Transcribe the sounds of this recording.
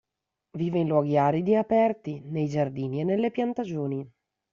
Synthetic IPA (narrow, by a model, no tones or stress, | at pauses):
viːveinlwɔːɡiaːɾid̪iapɛrt̪inejd͡ʒard̪iːnienːelːepjant̪ad͡ʒoːni